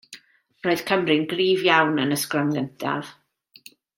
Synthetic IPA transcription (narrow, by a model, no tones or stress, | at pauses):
roɨð̥kʰəmrɪɨnɡriːvjawnənəskramləntʰa̰v̥